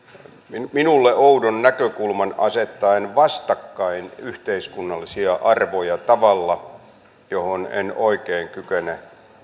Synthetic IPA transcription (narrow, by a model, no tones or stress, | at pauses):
miminulːeoudonːækøkulmɑnɑ̰set̪ːɑinʋɑst̪ɑkːɑinyht̪eiskunːɑlːisiɑʔɑrʋojɑt̪ɑʋɑlːɑ | johonḛnoikeːŋkykene